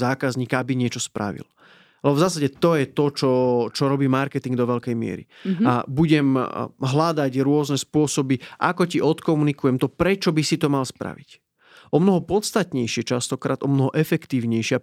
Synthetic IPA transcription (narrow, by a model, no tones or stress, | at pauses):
zaːkazɲiːkaabiɲɪɛt͡ʃɔspɾa̰ʋḭl | lɛbɔvzaːsaɟɛt̪ɔjɛt̪ɔt͡ʃɔt͡ʃɔɾɔbiːmaɾkɛt̪iŋɡd̪ɔʋɛʎkɛjmɪɛ̰ɾḭabuɟɛmɦlad̪aɟɾʊɔznɛspʊɔsɔbiʔakɔciʔɔt̪kɔmunikujɛmt̪ɔpɾɛt͡ʃɔbisit̪ɔmalspɾa̰ʋic | ʔɔmnɔɦɔpɔt̪st̪at̪ɲɛjʃɪɛt͡ʃast̪ɔkɾa̰ːd̪ʔɔmnɔɦɔʔɛfɛkt̪iːʊɲɛjʃɪa